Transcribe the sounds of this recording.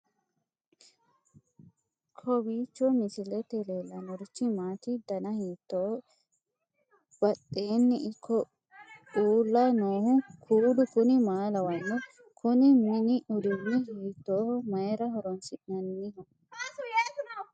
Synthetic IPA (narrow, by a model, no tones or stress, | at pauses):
kʰɔbiːt͡ʃːɔmɪsɪlɛt̪ɛleːlːɐnɔɾɪt͡ʃːɪmaːt̪ɪd̪ɐnɐhiːt̪ːɔ | b̥ɐtːe̞ːnːɪɪkʰːɔ | uːlːɐnoːhʊkʰuːd̪ʊkʊnɪmaːlɐwɐnːɛ | kʰʊnɪmɪnɪʔʊd̪ɪwɪhiːt̪ːoːmɐjɛɾɐhɔɾɔnsɪnɐnːɪhɐ